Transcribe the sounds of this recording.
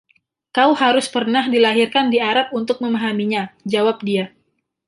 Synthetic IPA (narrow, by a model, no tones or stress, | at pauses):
kauhaɾʊspərnahdilaɦirkandiaɾap̚unt̪ʊk̚məmaɦamiɲad͡ʒawap̚dia